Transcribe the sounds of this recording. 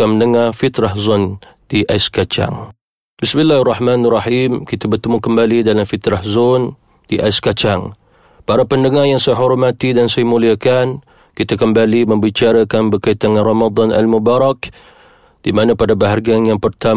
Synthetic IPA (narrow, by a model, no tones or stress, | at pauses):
aməndəŋarfit̪ɾahzɔn | d̥iʔaɪskat͡ʃa̰ŋ | bɪsmɪlːaharːɑħmanarˤːɑħimkit̪abərt̪əmukəmbalidalamfit̪ɾahzɔn | d̥iʔaɪskat͡ʃaŋ | paɾapəndəŋarjaŋsajaɦɔɾmat̪idansajamuliakan | kit̪akəmbaliməmbit͡ʃaɾakanbəkait̪aŋanrɑmad̪ˤɑna̰lmubaɾak | d̥imanapadabaɦarɡanjaŋpərt̪a